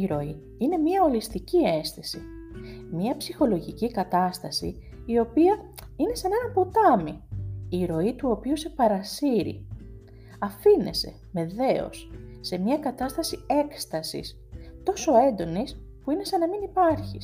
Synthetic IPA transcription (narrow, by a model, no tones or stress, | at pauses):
iɾo̞i | ine̞miɐo̞list̪icie̞nst̪esimiɐpsixo̞lo̞ʝicikɐt̪ɐst̪ɐsḭː | o̞piɐine̞senɐnɐpot̪ɐmiiɾo̞it̪uo̞piuse̞pɐɾɐsiɾḭ | ɐfine̞̰se̞̰me̞ðe̞o̞̰sːe̞mɲɐkɐt̪ɐst̪ɐsie̞kst̪ɐsḭs | t̪o̞so̞e̞nd̪o̞nis | puine̞senɐminipɐɾçis